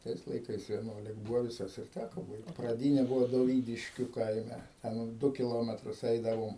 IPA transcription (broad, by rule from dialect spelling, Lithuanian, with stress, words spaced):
ˈtɐɪs lˠɐɪˈkɐɪs ʋʲiɛˈnuɔlʲɪk ˈbuːʋoː ʋʲɪˈsɐs ɪr ˈtʲækoː ˈbɐɪkt prɐˈdʲiːnʲɛ ˈbʊʋoː doːˈʋʲiːdʲɪʃʲkʲʊ ˈkɐɪmʲɛ ˈtʲɛn ˈdʊ kʲɪˈlˠoːmʲɛtrʊs ˈɛɪdɐʋoːm